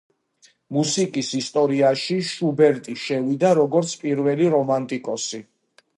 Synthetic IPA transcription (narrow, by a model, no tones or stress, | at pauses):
musikʼisist̪ʼɔɾiaʃiʃubɛɾt̪ʼiʃɛvid̪aɾɔɡɔɾt̪sʰpʼiɾvɛliɾɔmant̪ʼikʼɔsi